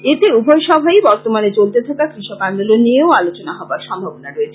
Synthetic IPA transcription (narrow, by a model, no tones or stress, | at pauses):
et̪eubʱɔjʃɔbʱajbɔɾt̪omanet͡ɕolt̪et̪ʰakakɾiʃɔkand̪olonijeoalot͡ɕonaɦɔbaɾʃɔmbʱabonaɾoet͡ɕʰe